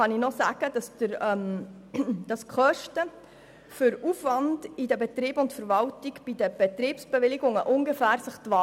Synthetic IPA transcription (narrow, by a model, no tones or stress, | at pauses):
ɑninɔsæːɡ̥əd̥ɑsd̥əɾœm | d̥ɑskʰχœʃtə | fʏɾufʋɑndɪdəbɛt̪ɾiːbʊntfəɾvɑltiɡb̥id̪əb̥et̪ɾiːpsb̥evɪlɪɡʊŋəʔʊŋɡefæːɾsəχtvɑː